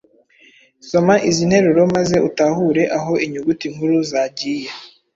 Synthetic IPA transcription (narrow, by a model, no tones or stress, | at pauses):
so̞maʔizin̥he̞ɾuɾo̞maze̞ʔutahuɾe̞ʔaɦo̞ʔiɲuɡutiŋhuɾuzaɟiːje